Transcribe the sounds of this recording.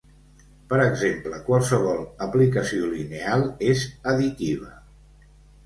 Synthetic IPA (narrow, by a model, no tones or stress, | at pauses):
pəɾəɡzempləkwalˠsəβɔlˠəplikəsiolinealˠezəðit̪iβ̞ə